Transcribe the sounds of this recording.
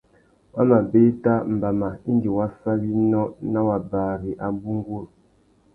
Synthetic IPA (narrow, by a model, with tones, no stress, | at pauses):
wa˦ma˨be˦ta˦m̩˨ba˨ma˨i˦ŋɡi˨wa˦fa˦βi˦nɔ˦na˦wa˨ba˨ɾi˨ʔa˨bu˦ŋ˦ɡo˦˨ɾ